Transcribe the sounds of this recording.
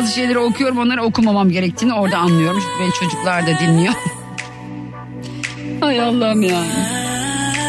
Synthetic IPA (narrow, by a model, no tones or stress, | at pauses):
zɯʃe̞jlʲeɾio̞kʰujo̞ɾumo̞nˠaɾao̞kʰumamamɟe̞ɾɛct̪ʰiːnio̞ɾd̪aːnlˠɯjo̞ɾumt͡ʃʰyc̪ʲʰybɛnt͡ʃʰo̞d͡ʒuklˠaɾd̪ad̪inːʲijom | hajalˠːaɾmjaːnɪ